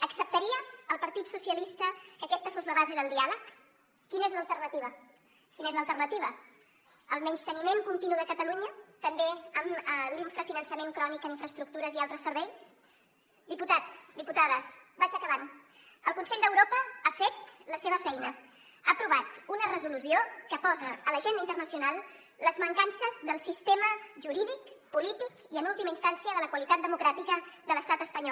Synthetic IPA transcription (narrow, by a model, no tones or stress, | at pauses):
əksəp̚t̪əɾiəːlˠpəɾt̪it̪susiəlist̪əkəkɛst̪əfozləβ̞azeðəlˠd̪ialəkː | inezləlˠt̪ərnət̪iβə | kinezləlˠt̪ərnət̪iβ̞ə | əlˠmɛɲʃt̪ənimeŋkunt̪inuðəkət̪əluɲət̪əmbeəməliɱfɾəfinənsəmeŋkɾɔnikəniɱfɾəst̪ɾuk̚t̪uɾəzialˠt̪ɾəsəɾβɛjs | d̪iput̪at͡sd̪iput̪aðəsbat͡ʃəkəβan | əlˠkunsɛʎd̪əwɾopəafet̪̚ləseβ̞əfɛjnə | apɾuβat̪unərəzulusiokəpɔzəələʒenəint̪ərnəsiunalˠ | ləzməŋkansəzðəlˠsist̪eməʒuɾiðikpulit̪ik | iənulˠt̪iməinst̪ansiəðələkwəlit̪at̪̚d̪əmukɾat̪ikəðələst̪at̪əspəɲɔ